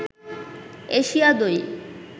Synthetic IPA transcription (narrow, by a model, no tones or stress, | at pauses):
eʃiad̪oj